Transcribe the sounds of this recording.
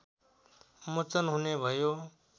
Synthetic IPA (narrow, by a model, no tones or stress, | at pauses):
mʊt͡ʃənɦuneːbʱəjoː